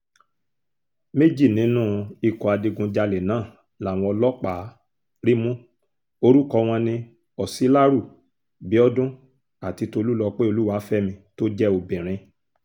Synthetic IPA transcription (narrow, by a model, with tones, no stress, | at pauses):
me˦d͡ʒi˦˨nĩ˨˦nũ˦i˧kɔ˨a˨di˧ɡũ˧d͡ʒa˧lɛ˨nãː˨˦˨ | la˨w̃ɔ̃˧ɔ˧lɔ˦k͡pa˨˦ | ɾi˦mũ˦ | o˧ɾu˦kɔ˧w̃ɔ̃˧nĩ˧ | ɔ˨si˨˦la˦ɾu˦˨ | bi˨˦ɔ˦dũ˦ | a˨ti˧to˧lu˦lɔ˧k͡pe˦o˧lu˦wa˨˦fɛ˦mĩ˧to˦d͡ʒɛ˦o˧bĩ˨ɾ̃ĩ˧